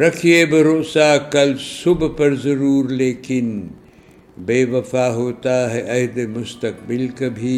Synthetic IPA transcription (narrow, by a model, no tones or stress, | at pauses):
ɾɐkʰijebɪɾoʔsaːkɐlsʊbpɐɾzɐɾuːɾleːkɪn | beːʋɐfaːɦoːt̪aɦɛʔɐɦd̪emʊst̪ɐkbɪlkɐbʱi